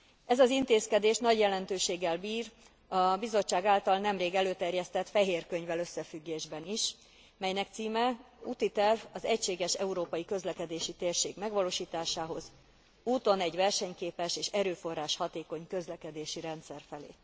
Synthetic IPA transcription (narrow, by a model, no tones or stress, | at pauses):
ɛzɒzint̪eːskɛd̪eːʃnɒɟjɛlɛnt̪øːʃeːɡːɛlbiːr | ɒbizo̞t͡ʃt͡ʃːaːɡaːlt̪ɒlnɛmreːɡɛløːt̪ɛrjɛst̪ɛt̪fɛɦeːrkø̞ɲvɛløsːɛfyɡːeːʒbɛniʃ | mɛjnɛkt̪siːmɛuːt̪it̪ɛrvɒzɛcʃeːɡɛʃɛuɾoːpɒjikø̞zlɛkɛd̪eːʃit̪eːrʃeːɡmɛɡʋɒloːʃiːt̪aːʃaːɦo̞z | uːt̪o̞nɛɟʋɛrʃɛɲkeːpɛʃeːʃɛɾøːfo̞rːaːʃhɒt̪eːko̞ɲkø̞zlɛkɛd̪eːʃiɾɛnt̪sɛrfɛlḛː